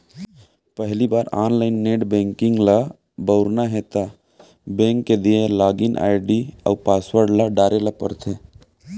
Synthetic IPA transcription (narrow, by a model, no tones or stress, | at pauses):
pəɦlibaːɾaːnlaːɪnːeːʈbẽːŋkɪ̃ŋɡla | bəʊɾnaɦeːt̪a | bẽːŋkːed̪iẽlaːɡɪnʔa̰ːɪɖiə̰ːpaːswəɾɖlaɖaːɾelapə̰ɾt̪ʰeː